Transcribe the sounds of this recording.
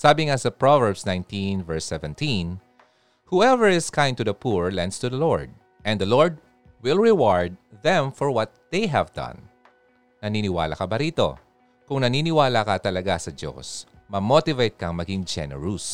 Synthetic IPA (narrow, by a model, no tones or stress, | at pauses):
saːbɪŋasɐpɹovɛɹbsnãjnt̪ĩnvɛɹsɛvɛ̃nt̪ĩn | huɛvɛɹɪskãj̃n̚t̪ʊðɐpuɹlɛ̃nd̪st̪uðɐloɹd̪̚ | ʔɛ̃nd̪ɐloɹd̪̚ | wɪlɹɪwaɹd̪̚ðɛ̃mfɔɹwɐt̪̚ðejɦɛvd̪ɐ̰̃nː | ɐninɪwa̰ːlɐ̰kɐbɐɾiːt̪o̞̰ | kʊŋnɐniːnɪwaːlakɐt̪ɐlɐɡasɐdo̰s | mɐmot̪ɪvejt̪̚kɐŋmɐɡɪŋd͡ʒɛ̰nɛ̰ɹus